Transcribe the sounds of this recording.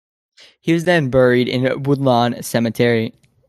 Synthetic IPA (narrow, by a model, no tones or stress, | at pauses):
hiwʌzðɨ̃nbɛ˞iɾɪ̰̃nwʊdˡlɑ̃nsɛmɨtʰɛɹi